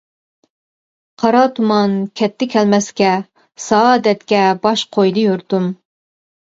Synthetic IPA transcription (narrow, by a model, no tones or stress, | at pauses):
qʰɑɾɑt̪ʰumɑnkʲʰɛt̪ʰːɪkʲʰɛlmɛskʲɛ | sɑːd̪ɛt̪kʲɛbɑʃqʰojd̪ɨjuɾt̪um